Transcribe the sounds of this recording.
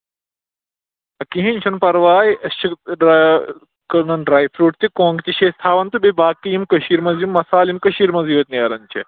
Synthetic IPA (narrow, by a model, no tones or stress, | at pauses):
ɐkiɦĩnʲt͡ʃʰɐnpɐɾʋaːiʔɐst͡ʃʰiɖ | kɐnɐnɖɾaːjfɾuːʈ̚t̪ikõːŋɡt̪iʃeːst̪ʰaːʋɐnt̪ubebaːkːijimkɐʃiːɾmɐzjumːɐsaːlimkɐʃiːɾmɐziːʋɐt̪niɐːɾɐnʲt͡ʃʰḭ